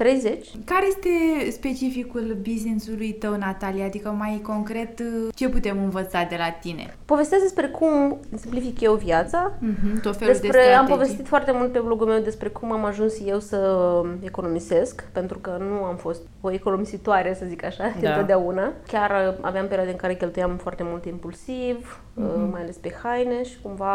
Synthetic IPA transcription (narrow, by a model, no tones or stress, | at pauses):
t̪ɾejzet͡ʃʲkaɾeje̞st̪e̞spe̞t͡ʃifikulbizninsulujt̪əwnat̪alijad̪ikəmajko̞ŋkɾe̞t̪t͡ʃe̞put̪e̞mɨnvət̪sad̪e̞lat̪ine̞̰ | po̞vest̪aszd̪espɾe̞kʰumsimplifikjewvjat̪saɦ̩td̪ot̪feleusd̪epɾeeampo̞ve̞st̪it̪foart̪e̞mult̪̚pe̞blo̞ɡulme̞wd̪e̞spɾe̞kumamaʒunsje̞wsəeko̞no̞mize̞skpe̞nt̪ɾukənuamfo̞st̪oeko̞no̞mizit̪oaɾesəzikaʃad̪int̪o̞t̪d̪aunakʲaɾa̰veampe̞ɾiad̪eəɨŋkaɾekʲe̞lt̪ujamfoart̪e̞mult̪impulsiv | majale̞spe̞xajneʃi̥kumva